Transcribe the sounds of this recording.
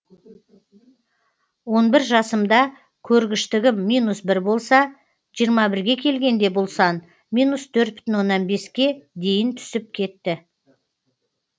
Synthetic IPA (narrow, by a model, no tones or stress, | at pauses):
wo̞nbɪɾʒɑsəmd̪ɑ | kʲʰɵɾɡʲɪʃt̪ɪɡʲɪmːijnusbɪɾbo̞lˠsɑ | ʒijəɾmɑbɪɾɡʲe̞kʲʰe̞lɡʲe̞nd̪e̞bo̞lˠsɑn | mʲijnust̪ʰɵɾt̪̚bɪ̥t̪ɪnwo̞nːɑnbe̞skʲe̞d̪e̞jɪnt̪ʰʏ̥sɪp̚kʲʰe̞t̪ːɪ